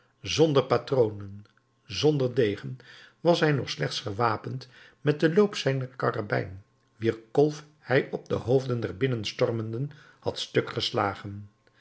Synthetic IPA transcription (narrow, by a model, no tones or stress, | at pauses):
zɔndəɹpatrownən | zɔndəɹdejχən | ʋɑsɦɛjnɔχslɛχtsχəʋaːpənt | mɛt̚dəlowpsɛjnəɹkɑra̰bɛ̰jn | ʋiːɹkɔlˠf | hɛjʔɔb̚də̰ɦowvdəndɛrbɪnənstɔrməndən | hɑ̰tstɵkχəsla̰ːχən